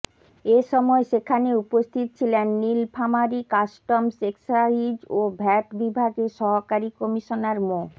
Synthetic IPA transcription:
eʃɔmɔeʃekʰaneupost̪ʰit̪̚t͡ɕʰilenːilpʰamaɾikasʈomseksaid͡ʑobʱɛʈbibʱaɡeʃɔɦokaɾikɔmiʃonaɾmo

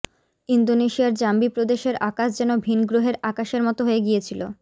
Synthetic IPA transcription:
ind̪oneʃiaɾd͡ʑambipɾod̪eʃeɾakaʃd͡ʑɛnobʱinɡɾoɦeɾakaʃeɾmɔt̪oɦoeɡijet͡ɕʰilo

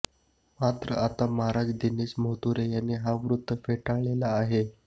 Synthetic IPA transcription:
mat̪ɾə̰ʔat̪amaɦaɾad͡zd̪inesməɦt̪uɾejanːiɦaʋɾud̪ʱːəfeʈaɭelaːɦe

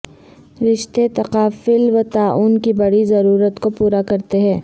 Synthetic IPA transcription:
ɾɪʃt̪et̪ɐqaːfɪlʋɐt̪aːʔuːnkibɐɽizɐɾuːɾət̪kopuːɾakɐɾt̪eɦɛ̃ː

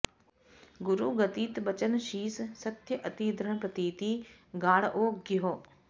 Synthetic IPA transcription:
ɡʊɾuːɡət̪iːt̪bət͡ʃənʃiːssɐt̪jəʔət̪iːd̪ɾəɳ̃pɾɐt̪iːt̪iːɡaːɽʔoːɡɪɦoː

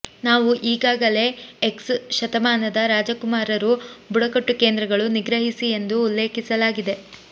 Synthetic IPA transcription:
naːʋuʔiːɡaːɡɐle̞eksʃɐt̪ɐmaːnɐd̪ɐɾaːd͡ʒɐkumaːɾɐɾubuɽɐkɐʈːuke̞ːnd̪ɾɐɡɐɭuniɡɾɐɦisie̞nd̪uːlːe̞ːkisɐlaːɡid̪e̞

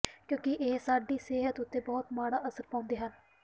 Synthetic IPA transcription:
kjõːkɪʔeːsaːɖiːsɪɦət̪ʊt̪ːeːbɔːt̪maːɽaːʔəsəɾpãːʊnd̪eːɦən

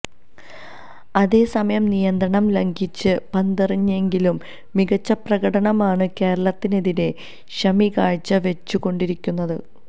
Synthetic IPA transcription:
ɐðe̞ːsɐmɐjɐmnijɐnd̪ɾɐɳɐmlɐŋɡit͡ɕːɨpɐnd̪ɐriɲːe̞ŋɡilumː | iɡɐt͡ɕːɐprɐɣɐɽɐɳɐmaːɳɨke̞ːɾɐɭɐt̪ːineðine̞ | ɕɐmikaːɻt͡ɕːɐʋe̞t͡ɕːuɣo̞ɳɖiɾikʲːunːɐðɨ̰

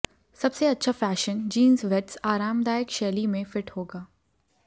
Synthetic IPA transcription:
sɐbseɐtːʃʰafɛːʃənd͡ʒiːnzʋɛʈsaːɾaːmd̪aːjəkʃɛːlimẽfɪʈhoːɡaː

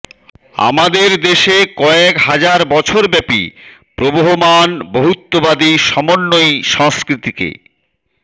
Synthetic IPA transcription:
a̰mad̪eɾd̪eʃekɔekɦad͡ʑaɾbɔt͡ɕʰoɾbɛpḭ | pɾoboɦomanboɦut̪ːobad̪iʃɔmonːojʃɔŋskɾit̪ikḛ

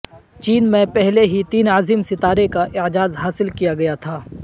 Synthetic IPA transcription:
t͡ʃiːnmẽpɛɦleɦit̪iːnaːzimsɪt̪aːɾekaʔɪʕd͡ʒaːzɦaːsɪlkijaɡɐjat̪ʰaː

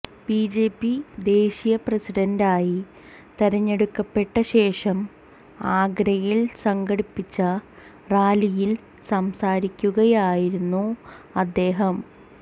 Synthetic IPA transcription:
b̥id͡ʑe̞ːpːid̪e̞ːɕijɐprɐsiɖɐndaːji | t̪eɾɐɲːe̞ɽukːɐpːe̞ʈːɐɕe̞ːʂɐm | aːɡɾɐjiɭsɐŋɡɐɽipːit͡ɕːɐ | raːlijil | sɐmsaːɾikʲːuɣɐjaːjiɾunːuɐd̪ːe̞ːɦɐm

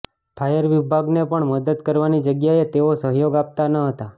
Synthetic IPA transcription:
pʰajəɾʋɪbʱaɡnepəɳməd̪əd̪kəɾʋanid͡ʒəɡjaet̪eosəɦjoɡap̚t̪anəɦət̪a

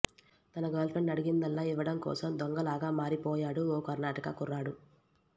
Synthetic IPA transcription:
t̪ɐnɐɡɐːlpʰeɳɖɐɽiɡind̪ɐlːaːiʋːɐɽɐmkɔ̰ːsɐmd̪ɔŋɡɐlaːɡaːmaːɾipɔːjaːɽuɔːkɐɾnaːʈɐkɐkuɾːaːɽu

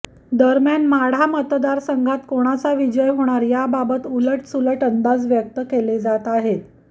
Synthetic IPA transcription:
d̪əɾmjanmaɽ̤amət̪d̪aɾsəŋɡʱat̪koɽ̃at͡saʋid͡ʑəjɦoɽ̃aɾjababət̪uləʈsuləʈənd̪ad͡zʋjək̚t̪əkeled͡zat̪aɦet̪

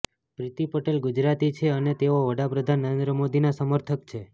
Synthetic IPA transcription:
pɾit̪ipəʈelɡud͡ʒɾat̪it͡ʃʰeənet̪eʋoʋəɽapɾəd̪ʱanːəɾend̪ɾəmod̪inasəməɾt̪ʰəkt͡ʃʰe

